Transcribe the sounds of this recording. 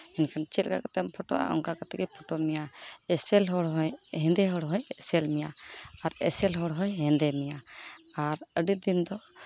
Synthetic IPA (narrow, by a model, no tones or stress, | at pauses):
ɛnkʰant͡ʃʰɛt̪̚kakat̪ɛmpʰɔʈɔ̰ʔa̰ʔɔ̰ŋkakat̪ɛkɛpʰɔʈɔmijaɛsɛlɦɔɽɦɔjɦɛ̃nd̪ɛɦɔɽɦɔjsɛlmijaaɾɛ̰sɛlɦɔɽɦɔjɦɛ̃nd̪ɛmijaaɾəɖid̪ind̪ɔ